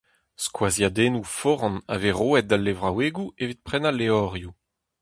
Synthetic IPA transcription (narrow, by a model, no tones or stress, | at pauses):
skwazjad̪eːnufɔʁɑ̃na̰veʁoːɛt̪̚d̪alːevʁaweːɡuevit̪̚pχɛnalːeɔʁju